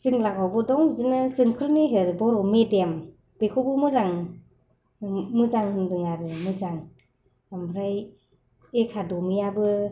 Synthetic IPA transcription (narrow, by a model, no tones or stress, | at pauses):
sɯŋlakawbɔdɔŋzɯnɯzɯŋkʰɯlneɦɯɾbɔɾɔmedem | b̥ekʰubɯmɯzaŋ | mɯzaŋhɯndɯŋaɾɯmɯzaŋ | amɾaj | ekʰadɔmijabɯ